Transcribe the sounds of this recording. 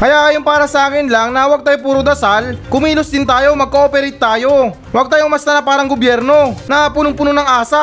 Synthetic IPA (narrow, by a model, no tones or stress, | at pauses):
kɐjakɐjonpaːɾɐsɐʔaːkɪnlaŋnɐwɐɡ̚t̪aːjopuːɾod̪ɐsalkʊmiːlʊsd̪ɪnt̪aːjo̞mɐɡ̚koʔopɛɾɛjt̪̚ːaːjo̞ | wɐɡ̚t̪aːjoŋmɐst̪ɐnapaːɾɐŋɡobjɛɾno̞nɐpuːnʊŋpuːnonɐŋʔaːsɐ